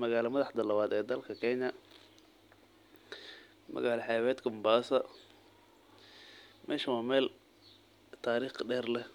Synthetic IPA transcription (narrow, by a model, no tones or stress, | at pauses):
mɐɣaːlɐmɐðɑħd̪ɐlɐβaːd̪ɛːd̪ɐlkʰɐkʰɛɲɐ | mʔɐ̰ɣaːlɐħɛːwɛːd̪kʰʊmbaːsɐ | mɛːʃɐwɑːmɛːl | t̪ʰaːɾiːχɖɛːrlɛ